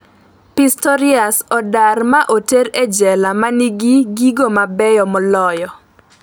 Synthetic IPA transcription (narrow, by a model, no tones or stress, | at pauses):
pistɔɾiasɔdarmaʔoteɾed͡ʒɛlamaniɡiɡiɡomabɛjɔmɔlɔjɔ